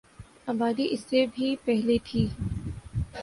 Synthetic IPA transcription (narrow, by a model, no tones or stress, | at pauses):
aːbaːd̪iʔɪsːebʱipɛɦlet̪ʰiː